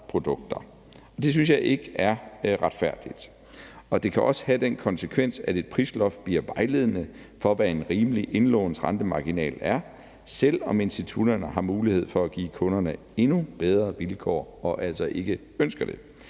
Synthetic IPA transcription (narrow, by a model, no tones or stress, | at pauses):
pʰʁo̝d̥ɔ̽ɡ̥̚d̥ɐ | ɒ̽d̥e̝s̬yns̬jɑ̈ɪʔe̝ɡ̥əæɐʁad̥fæɐ̰d̥id̥ | ɒ̽d̥e̝kʰæʔɒ̽sə̥hæd̥enkʰɒ̽nsəkʰʋen̰sæde̝d̥̚pʰʁislɒfb̥liɐ̰ʋɑ̈ɪle̝ð̞̰ˠənə | fɒ̽ʋæe̝nʁiːməliʔe̝nlɔ̰ːʊn̩sʁɑnd̥əmɑ̈ɡ̥inɛ̰ːlæɐ | sel̰ɒ̽me̝nsd̥it͡sʰud̥ɐnəɦɑ̈muːlihe̝ð̞̰ˠfɒ̽æɡ̥ḭːkʰɔ̽nɐnə | e̝nub̥eð̞ˠʁɐʋilkʰɒ̰ːɒ̽ʔæl̰sɒ̽ʔe̝ɡ̥ə | ønsɡ̥ɐd̥e̝